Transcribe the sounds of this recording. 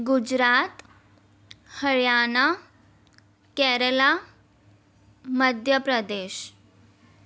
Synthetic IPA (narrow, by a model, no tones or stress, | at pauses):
ɡud͡ʑɾat̪ | həɭjana | kɛɾəla | məd̪ʱjəpɾəd̪eːɕ